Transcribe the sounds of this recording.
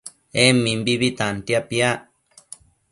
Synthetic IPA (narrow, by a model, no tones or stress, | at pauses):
emĩmbiβit̪ãnt̪japjaʔ